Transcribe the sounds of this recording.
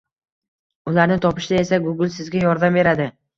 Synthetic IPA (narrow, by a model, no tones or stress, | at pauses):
ʊlaɾnɪt̪ʰɒpɪʃɪd̪ae̞saɡʊɡɪlˠsɪzɡʲajɒɾd̪amve̞ɾad̪ɪ